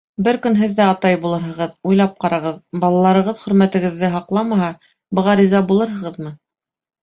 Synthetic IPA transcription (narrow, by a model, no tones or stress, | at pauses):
bɘɾkɵ̆nɦɘ̆ðːæɑt̪ɑjbulˠɤ̆ɾɦɤ̆ʁɤðujlˠɑp̚qɑɾɑʁɤðbɑlˠɑlˠɑɾɤ̆ʁɤðχɵ̆ɾmæt̪ɘ̆ɡɘ̆ðːɘɦɑqlˠɑmɑɦɑ | bɤ̆ʁɑɾizɑbulˠɤɾɦɤ̆ʁɤðmɤ